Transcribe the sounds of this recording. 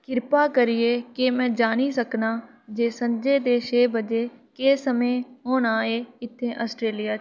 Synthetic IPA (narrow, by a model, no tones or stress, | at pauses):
kɪɾpaːkəɾɪeːkemɛ̃ːd͡ʒaːniːsəknaː | d͡ʒeːsənd͡ʒeːd̪eːʃeːbəd͡ʒeːkeːsəmẽːɦoːnaːeːɪt̪ʰːẽːʔəsʈɾeːlɪjaː